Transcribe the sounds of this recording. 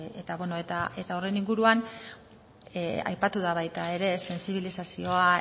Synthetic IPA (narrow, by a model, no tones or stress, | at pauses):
et̪aβweno̞et̪aʔe̞t̪aore̞niŋɡuɾuan | a̰jpat̪uð̞aβ̞ajt̪ae̞ɾe̞se̞nsiβilisasio̞a